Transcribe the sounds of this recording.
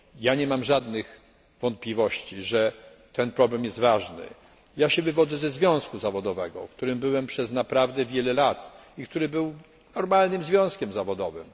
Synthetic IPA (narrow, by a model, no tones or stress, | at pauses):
jaɲɛmamʐad̪nɘx | vɔnt̪̚pʲlʲivɔɕt͡ɕiʐɛ | t̪ɛnpɾɔblɛmjɛst̪vaʐnɘ̰ | jaɕɛvɘvɔd̪zɛzɛzvʲjɔ̃w̃skuzavɔd̪ɔvɛɡɔ̰fkt̪uɾɘmbɘwɛmpʂɛznapɾavd̪ɛvʲjɛlɛlat̪ikt̪uɾɘbɘw | nɔɾmalnɘmzvʲjɔ̃w̃skʲɛmzavɔd̪ɔvɘ̰m